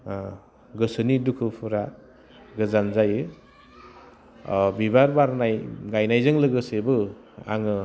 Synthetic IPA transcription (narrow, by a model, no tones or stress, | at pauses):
ɡɯsɯnidukʰɯpʰɯɾa | ɡɯzanzajɯ | bibaɾbaɾnajɡajnajzɯŋlɯɡɯsebɯ | a̰ŋɯ